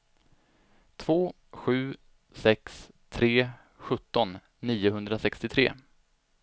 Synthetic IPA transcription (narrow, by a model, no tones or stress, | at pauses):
t̪ʰv̥oː | ɧʉ̟ː | sɛks | t̪ʰɾeː | ɧɵt̪ːɔnː | iːʊɦɵnd̪ɾasɛkst̪ɪt̪ʰɾḛː